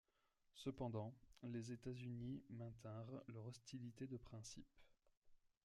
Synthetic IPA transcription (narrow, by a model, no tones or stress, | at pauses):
səpɑ̃d̪ɑ̃lezet̪azynimɛ̃t̪ɛ̃ʁlœʁɔst̪ilit̪ed̪əpχɛ̃sip